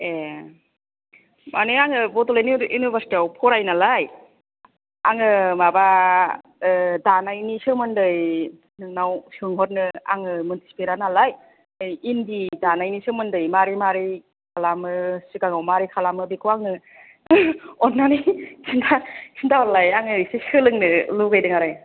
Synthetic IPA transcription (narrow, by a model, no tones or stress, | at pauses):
e | mʔanɯaŋɯbɔtɔlajniinubastiawpʰɔɾajnalaj | a̰ŋɯmaba | danajnisɯmɯndɯj | nɯŋnawsɯŋɦɔt̚nɯa̰ŋɯmuntʰi̥si̥peɾanalaj | indidanajnisɯmɯndɯjmaɾimaɾi | kʰalamɯsɯkaŋawmaɾikʰalamɯbikʰuwaŋɯ | ɔnːanikʰindakʰindaɔlajaŋɯsesɯlɯŋnɯluɡajdɯŋaɾaj